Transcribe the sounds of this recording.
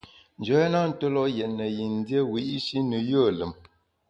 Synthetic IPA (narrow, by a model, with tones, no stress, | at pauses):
n̩˨d͡ʒo˨˦ɛ˦nɔ˦n̩˨to˦lɔ˦ʔjɛ˨ʔnə˨ji˨n˦djə˦wi˨˦ʔi˦ʃi˦nə˨jo˦˨lə˨m